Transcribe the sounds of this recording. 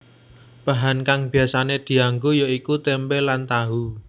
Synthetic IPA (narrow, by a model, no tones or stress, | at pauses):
b̥a̤ɦankaŋb̥i̤asaned̪̥i̤aŋɡojoikut̪ɛmpelant̪aɦu